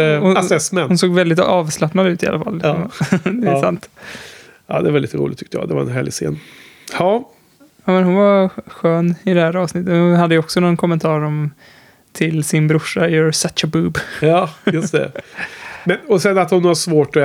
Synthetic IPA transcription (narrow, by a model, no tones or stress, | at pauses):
hʊsɛsmɛnhʊnsoːɡvɛld̪ɪt̪ɑːvslapnad̪ʉ̟ːt̪ɪa̰lʔa̰fa̰lːmd̪ɛsa̰nt̪ | ɑ̰ːd̪ɛɛvaliːt̪əɾṵlɪ̰t̪ʰʏ̥kt̪əjɑ̰ːd̪ɛva̰ɾɛ̰nɦæːɭɪsḛːn | hɑː | amɛnhʊnvaɧøːnɪd̪ɛhæːɾɑːvsnɪt̪ːət̪hʊnhad̪ːəjʏɔksɔnɔnkʰɔmːɛnt̪ʰɑːɾɔm | t̪ʰɪlsɪnbɾʊʂːaəɾsat͡ʃəbʉːbɑːjɵst̪ɛ̰ | mɛnɔsɛnːat̪hʊnhaʂvoːʈɔ